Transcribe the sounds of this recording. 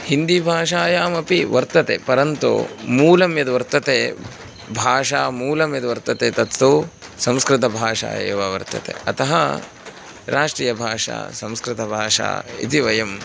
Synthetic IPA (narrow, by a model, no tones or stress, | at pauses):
hind̪ibʱaːʂaːjaːmɐpiʋɐɾt̪ɐt̪ḛpɐɾɐnt̪ṵmuːlɐmjɐd̪ʋɐɾt̪ɐt̪eː | bʱaːʂaːmuːlɐmjɐd̪ʋɐɾt̪ɐt̪eːt̪ɐt̪t̪uːsɐ̃mskɾɪt̪ɐbʱaːʂa̰ːḛːʋaːʋɐɾt̪ɐ̰t̪ḛɐt̪ɐɦɐ | ɾʔaːʂʈɾiːjɐbʱaːʂa̰ːsɐ̃mskɾɪt̪ɐbʱaːʂa̰ːḭt̪iʋɐjɐm